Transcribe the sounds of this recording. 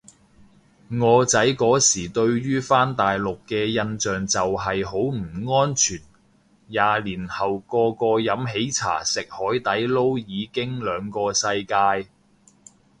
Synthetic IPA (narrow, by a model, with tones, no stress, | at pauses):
ŋɔː˨˧t͡sɐ˨˥jkɔː˨˥siː˨˩t̪ɵ˧ɥɥyː˥faː˥nt̪aː˨jlʊ˨kːɛː˧jɐ˧nt͡ʃœː˨ŋt͡sɐ˨wɦɐ˨jɦo˨˥wm̩˨˩ŋɔː˥nt͡ʃʰyː˨˩n | jaː˨˧liː˨˩nhɐ˨wkɔː˧kɔː˧jɐ˨˥mɦe˨˥jt͡sʰa̰ː˨˩sɪ˨k̚hɔː˨˥jt̪ɐ˨˥jlo˥wjiː˨˧kɪ˥ŋlœː˨˧ŋkɔː˧sɐ˧jkaː˧j